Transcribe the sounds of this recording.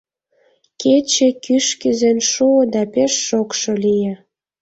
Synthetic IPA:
ket͡ɕekyʃkyzenʃuod̪ɑpeʃːokʃolije

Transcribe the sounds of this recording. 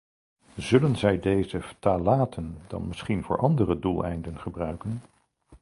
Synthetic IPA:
zɵlənzɛjdejzəftaːlaːtʰənd̥ɑ̰nmɪsχinvʊ̰ːɹʔɑndərədulˠɛ̰jndənχəbrœɥkən

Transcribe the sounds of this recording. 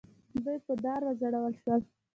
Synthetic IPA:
d̪ujpəd̪ɑɾwazaɽawəlʃwəl

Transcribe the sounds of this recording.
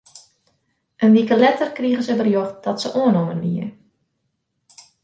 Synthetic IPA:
ʔənʋikəlɛtərkriəɣəzəbərjoxt̚d̥ɔtsəʔoənomənʋiə

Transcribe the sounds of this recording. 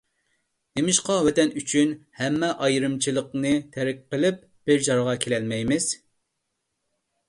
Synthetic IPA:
d̪̥emɪʃqɑwɛt̪ɛnyt͡ʃʰynhɛmːɛʔɑjɾɨmt͡ʃʰilˠəqnɨt̪ʰæɾɪk̚ʲqəlˠɪp̚ | b̥ɪɾd͡ʒɑɾʁɑkʲʰelɛlmɛjmɪz̥

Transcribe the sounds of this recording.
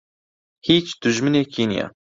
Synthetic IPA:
hiːt͡ʃd̪̥ʊʒmɨneːkʰiːnḭja̰

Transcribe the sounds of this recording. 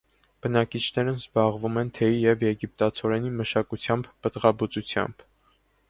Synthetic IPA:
b̥ənɑkit͡ʃʰnɛɾənzbɑʁvumɛnt̪ʰɛjijɛvjɛɡip̚t̪ɑt͡sʰɔɾɛniməʃɑkut͡sʰjɑmbːət̪ʁɑbut͡sut͡sʰjɑ̰mb̥

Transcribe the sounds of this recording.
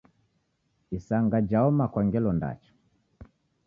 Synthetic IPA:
isaŋɡad͡ʒaɔmakwaŋɡɛlɔnda̰t͡ʃɔ̥

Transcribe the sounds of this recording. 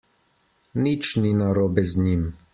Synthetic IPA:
nit͡ʃninaɾɔbɛzɲim

